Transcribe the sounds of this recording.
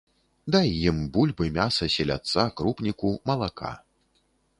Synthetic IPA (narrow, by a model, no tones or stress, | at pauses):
d̪ajjimbulʲbɨmʲasɐsʲɛlʲa̰t̪sːakɾupnʲikumɐlˠaka̰